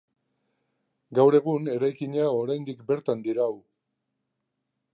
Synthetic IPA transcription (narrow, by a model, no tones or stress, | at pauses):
ɡawɾe̞ɣune̞ɾajkiɲao̞ɾajnd̪ikbe̞ɾt̪and̪iɾaw